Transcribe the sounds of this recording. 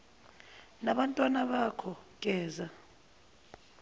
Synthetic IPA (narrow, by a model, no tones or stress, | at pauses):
naɓantʼwanaɓakʰɔkʼɛːza